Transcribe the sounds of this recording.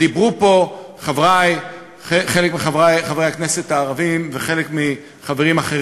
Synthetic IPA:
dibʁupo̞ | χavʁaj | eχelekmiχavajχavejakne̞se̞t̪haːʁavimveχe̞lekmi | χaveʁimaχe

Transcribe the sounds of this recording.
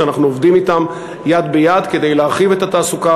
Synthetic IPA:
anaχnuovd̪imit̪am | jad̪bejad̪ke̞d̪ejleaʁχivet̪at̪aːsuka

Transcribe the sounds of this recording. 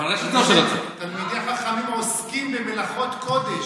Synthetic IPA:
aʁeχet̪oeatt̪almid̪eaχaχamimoskimbemelaχo̞t̪kod̪eʃ

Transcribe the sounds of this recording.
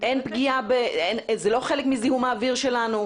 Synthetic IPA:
ʔenpɡiabeenzelo̞χelekmizihumaːviʁʃe̞lanu

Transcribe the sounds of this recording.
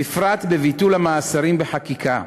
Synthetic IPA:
ifɾat̪bevitulhamaːsaɾimbeħakikʰa̰

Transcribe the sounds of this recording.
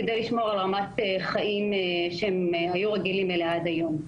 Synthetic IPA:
ked̪ejliʃmo̞ʁalʁamat̪eχaimeʃeemhajuʁeɡilimilead̪ajo̞m

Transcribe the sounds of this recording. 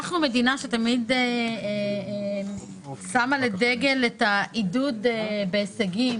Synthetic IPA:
aχnume̞dinaʃetamid̪e | samale̞deɡe̞letaʔidudebe̞ːseɡim

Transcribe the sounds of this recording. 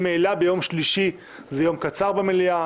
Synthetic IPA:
melabejo̞mʃliʃi | zejo̞mkat͡saʁbemelia

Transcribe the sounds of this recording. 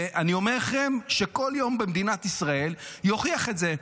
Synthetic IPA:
ʔanio̞meʁχemʃe̞ko̞ljo̞mbemd̪inat̪isʁae̞ljo̞χiaχe̞tze

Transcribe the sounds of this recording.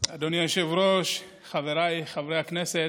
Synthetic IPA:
ad̪onjaoʃevɾoʃ | χaveɾajχavɾejhakneset

